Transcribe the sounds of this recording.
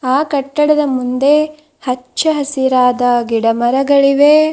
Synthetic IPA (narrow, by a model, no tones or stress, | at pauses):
aːkɐʈːɐɽɐd̪ɐmund̪e̞ | hɐt͡ʃːɐɦɐsiɾaːd̪ɐɡiɽɐmɐɾɐɡɐɭiʋe